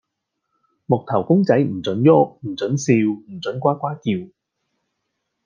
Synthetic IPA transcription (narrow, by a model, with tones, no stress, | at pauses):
mʊ˨k̚t̪ʰɐ˨˩wkʊ˥ŋt͡sɐ˨˥jm̩˨˩t͡sɵ˨˥njɔ˥k̚m̩˨˩t͡sɵ˨˥nsiː˧wm̩˨˩t͡sɵ˨˥nkʷaː˥kʷaː˥kiː˧w